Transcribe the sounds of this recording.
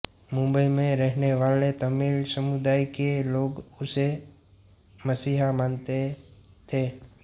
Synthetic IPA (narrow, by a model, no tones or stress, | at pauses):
mʊ̃mbəimẽɾɛɦneʋaːlet̪əmilsəmʊd̪aːikeloːɡʊse | məsiːɦamaːnt̪e | t̪ʰeː